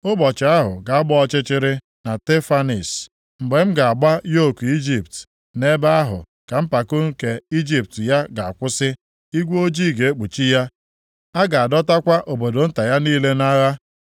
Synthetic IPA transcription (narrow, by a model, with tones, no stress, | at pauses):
ʊ˦bɔ˨t͡ʃɪ˨a˦ɦʊ̰˨ɡa˨a˦ɡ͡bɔ˦ɔ˦t͡ʃɪ˦t͡ʃɪ˦ɾɪ˦ | na˨te˦fa˦ni˨s | m̩˨ɡ͡be˨m̩˦ɡa˨a˨ɡ͡ba˦jo˦˨ku˨i˦d͡ʒi˨pt | ne˦ba˦a˦ɦʊ̰˨ | ka˨m̩˦pa˨ko˦ŋ̩˦ke˨i˦d͡ʒi˦p̚tja˦ɡa˨a˨kʷʊ˦sɪ˦ | i˦ɡʷo˦d͡ʒi˦˨ɡe˨e˦k͡pu˨t͡ʃi˦ja˦ | a˦ɡa˨a˨dɔ˦ta˦kʷa˦ʔo˨bo˨do˨n̩˦ta˨ja˦niː˦le˦na˦ɣa˦